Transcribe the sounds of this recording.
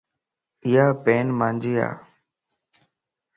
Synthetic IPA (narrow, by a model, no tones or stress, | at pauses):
ɪjaːpeːnmãːnd͡ʒiːa̰ː